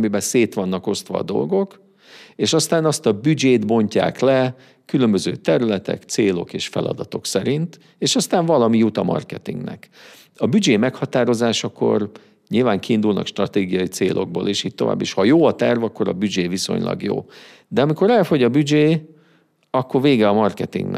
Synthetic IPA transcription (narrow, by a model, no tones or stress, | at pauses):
mibɛseːt̪ʋɒnːɒko̞st̪ʋɒ̰ːd̪o̞̰lɡo̞k | eːʃɒst̪aːnɒst̪ɒbyd͡ʒeːt̪bo̞ɲca̰ːklɛ | kylømbøzøːt̪ɛɾylɛt̪ɛ̰kt̪seːlo̞̰keːʃfɛ̰lɒ̰d̪ɒt̪o̞ksɛɾint̪ | eːʃɒst̪aːɱvɒlɒmijut̪ɒmɒ̰rkɛt̪ḭŋɡnɛ̰k | ɒbyd͡ʒeːmɛkhɒt̪aːɾo̞zaːʃɒko̞̰r | ɲilvaːŋkiːnd̪ulnɒ̰kʃt̪rɒt̪eːɡijɒjit̪seːlʔo̞̰ɡ̚boːleːʃiːt̚t̪o̞va̰ːbːiʃhɒjoːɒt̪ɛrvɒkːo̞ɾɒ̰byd͡ʒeːviso̞̰ɲlʔɒ̰ɡjo̰ː | d̪ɛɒmiko̞ɾɛlfo̞ɟɒbyd͡ʒeː | ɒkːo̞rveːɡɛɒmɒrkɛt̪ḭŋɡnɛ